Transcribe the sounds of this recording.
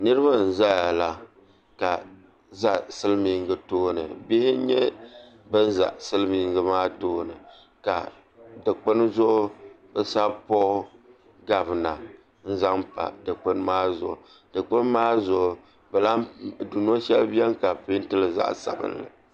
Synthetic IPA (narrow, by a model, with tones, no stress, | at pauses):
nɨ˦ɾɨ˦βa˦n̩˨za˦ja˨la˨ | ka˨ | za˦sɨ˦lmi˨˦ŋɡɨ˦toː˦nɨ̰˨bɪ˦hɪ˦ɲɛ˦ | bɨ˦n˦za̰˨ʔsɨ˦lmi˨ŋɡɨ˨maː˦toː˦nɨ˨ | ka̰˨ | dɨ˨k͡pɨ˦n˦zʊ˦ʔʊ˦bɛ˦sa˦pɔ˦ | ɡa˨bɨ˨na˨ | n̩˦za˦ŋpa̰˨dɨ˨k͡pɨ˦n˦maː˦zʊ̰˨ʔʊ̰˨ | d̥ɨ˨k͡pɨ˦n˦maː˦zʊ˨ʔʊ˨ | bɛ˨la˦˨du˨n˦o˦ʃɛ˦lbi˦ɛ˦mka˨pi˦n˦tɨ˦lɨ˨za̰˦ʔsa̰˨bɨ̰˦nlɨ̰˨